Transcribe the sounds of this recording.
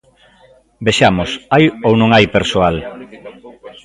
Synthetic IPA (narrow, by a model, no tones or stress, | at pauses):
beʃamosajownõŋajpeɾsoal